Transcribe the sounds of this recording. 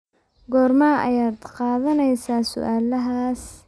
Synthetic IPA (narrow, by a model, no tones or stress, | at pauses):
ɡɔːrmaːɐ̰jaːd̪qɑːðɐnɛjsaːsʊ̰ʔaːlɐɦaːs